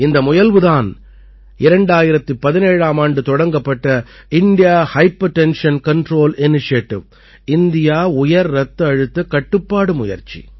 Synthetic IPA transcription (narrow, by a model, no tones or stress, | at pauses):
ɪnd̪ɐmʊjɐlʋɯðaːn | ɪɾɐɳɖaːjɪɾɐt̪ːɯpɐðɪneːɻaːmaːɳɖɯt̪ɔɽɐŋɡɐpːɐʈːɐ | ɪnɖɪjaːhɐɪpːɐʈɛnʂɐnkɐɳɖɾoːlɪnɪʂɪjɐʈːɪ̰ʋ | ɪnd̪ɪjaːʊjɐɾɾɐt̪ːɐɐɻɯt̪ːɐkɐʈːɯpːaːɽɯmʊjɐ̰ɾt͡ʃḭ